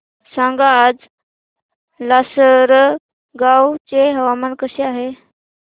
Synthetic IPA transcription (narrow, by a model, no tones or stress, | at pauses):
sãŋɡaːd͡z | lasəɾ | ɡawt͡ɕeɦəʋamənkəɕeaɦe